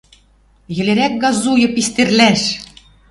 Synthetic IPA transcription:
jɘ̆leɾæk̚ɡɑzujɤ̆pist̪erlæʃ

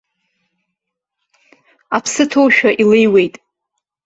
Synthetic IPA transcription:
apʰsɨtʰowʃᶣaʔilejwe̞jtʼ

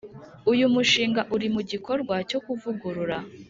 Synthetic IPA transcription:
ujumuʃiːŋɡaʔuɾimuɟiko̞ɾɡwaco̞kuvuɡuɾuɾa

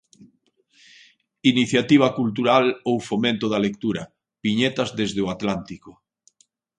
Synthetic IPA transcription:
iniθjat̪iβ̞ɐkult̪̬uɾalowfomẽnt̪ʊðalek̚t̪uɾɐ | piɲet̪ɐzðezðeoat̪lant̪ikoʊ

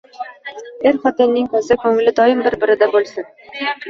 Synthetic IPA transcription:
eɾχɒt̪ɪnːɪŋkʰɒzɪkʲʰɵŋɪlɪd̪ɒjɪmbɪɾbɪɾɪd̪abolˠsɪn

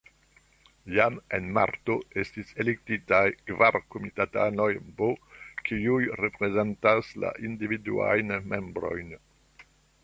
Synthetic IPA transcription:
jamenma̰ɾtoestiselek̚titajkvaɾkomitatanojbokʰiujrepɾezentasla̰ʔindividṵa̰jnmembɾo̞̰jn

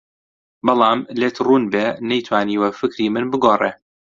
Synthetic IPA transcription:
bɑlˠɑːmleːt̪ʰruːnbeːnɐjt̪ʰwaːniːwɐfɨkɾimɨnbɨɡoːrˤeː

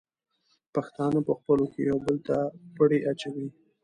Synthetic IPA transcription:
paxt̪ɑnapəxpəlokejawbəlt̪apəɽeʔat͡ʃawi

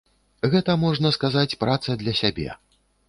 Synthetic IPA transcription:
ɣɛt̪ɐmɔʐnɐskazat͡sʲpɾat̪sɐd̪lʲɐsʲabʲɛ̰

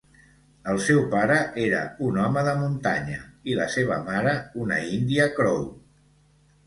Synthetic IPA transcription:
əlˠsɛwpaɾəʔeɾə̰unɔməðəmunt̪a̰ɲəilə̰seβ̞ə̰maɾəunə̰ind̪iəkɾɔw

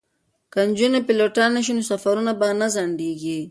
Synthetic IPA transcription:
kand͡ʒunapiloʈanaʃ̬inosafaɾunabanazaɳɖeɡi

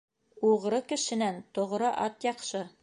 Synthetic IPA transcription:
uʁɾɤkɘ̆ʃɘ̆nænt̪ŏʁɾɤʔɑt̪jɑqʃɤ

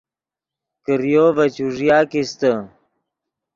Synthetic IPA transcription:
kəɾjoːbət͡ɕuʐjaːkist̪ə

